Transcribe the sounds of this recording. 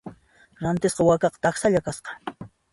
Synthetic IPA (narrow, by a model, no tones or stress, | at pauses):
ɾant̪ɪsqɑwakɑqt̪axsaʎakasqɑ̥